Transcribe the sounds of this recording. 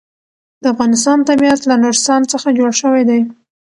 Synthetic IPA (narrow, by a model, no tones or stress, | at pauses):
d̪̥əafɣɑnɪs̬t̪ɑnt̪abiat̪lanoɾst̪ɑnt͡səxad͡ʒoɽʃəwajd̪aj